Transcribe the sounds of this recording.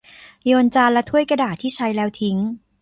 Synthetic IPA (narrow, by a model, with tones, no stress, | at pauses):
joː˧nt͡ɕaː˧lːɛ˦˥t̪ʰu˥˩əjka˧daː˨˩t̪ʰːiː˥˩t͡ɕʰa˦˧˥jlɛː˦˥wt̪ʰi˦˥ŋ